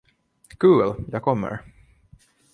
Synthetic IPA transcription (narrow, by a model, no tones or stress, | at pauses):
kʰʉːljɑːkʰɔmːə̰ɾ